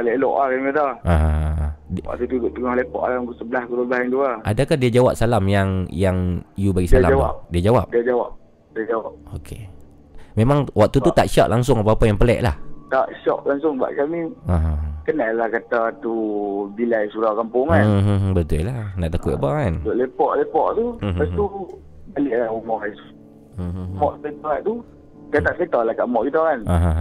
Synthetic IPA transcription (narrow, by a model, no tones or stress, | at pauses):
leʔlɔ̰ʔakamad̪aʔaɦadwa̰ʔ̚t̪ut̪ud̪oʔt̪əŋahlepɔ̰ʔalausəbəlahkuləblahant̪uaadakahdiad͡ʒawap̚salamjaŋjaŋjubaɡisalaamwap̚diad͡ʒawapdiad͡ʒawap̚ | diad͡ʒawap̚okʰe | memãŋwak̚t̪ut̪ut̪aʔʃɔ̰ʔlʔaŋs̬ʊŋapaːpajaŋpəlɛ̰ʔla̰ht̪aʔʃɔ̰ʔlaŋsʊŋba̰ʔkamiaɦakanːalahkat̪at̪ubilajsuɾakampʊŋabət̪ʊllanaʔt̪akut̪abaant̪oʔlepɔʔlepɔʔt̪uast̪u | baləʔlahumɔjs | mɔʔtət̪uaʔt̪u | dat̪aʔ̪ət̪alakaʔmɔʔkit̪aanãɦã